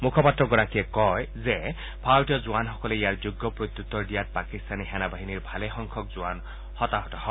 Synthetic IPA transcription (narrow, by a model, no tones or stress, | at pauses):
mukʰɔpatɹɔɡɔɹakiɛkɔjze | pʰawtiɔzuanxɔkɔleijaɹzuɡːɔpɹot̪jut̪ːɔɹdijat̚pakist̪anixɛnabaɦiniɹbʱalɛxɔŋkʰɔkzuan | hɔt̪aɦɔtahɔ